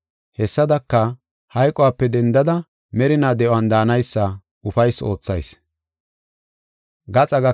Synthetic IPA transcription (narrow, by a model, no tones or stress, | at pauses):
hɛsːɐd̪ɐkːɐ | hɐjkʼɔwaːpːɛd̪ɛnd̪ɐd̪ɐ | mɛɾɪnaːd̪ɛʔʊand̪aːnɐjsːɐ | ʊfɐjso̞ːt͡sːɐjs | ɡɐt͡sʼɐɡɐ